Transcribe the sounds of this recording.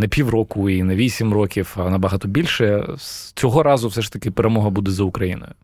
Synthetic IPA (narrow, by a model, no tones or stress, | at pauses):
nɛpʲiwrɔkʊinɛʋʲisʲimrɔkʲifɐnɐbɐɦɑt̪ɔbʲilʲʃɛst͡sʲɔɦɔɾɑzʊwsɛʃt̪ɐkɪpeɾemɔɦɐbud̪ɛzɐʊkɾɐjḭnɔ̰jʊ